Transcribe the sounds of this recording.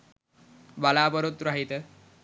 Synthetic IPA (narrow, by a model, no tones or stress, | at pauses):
balabəɾot̪ɾaɦit̪ə